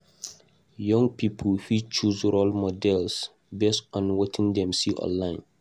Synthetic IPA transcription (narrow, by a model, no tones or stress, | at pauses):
jɔ̃ŋɡ̚pʰipʰəlfit͡ʃuzɹɔlmɔdɛls | bestɔ̃nwɔtʰĩŋdɛ̃msiʔɔ̰̃nlãɪ̃n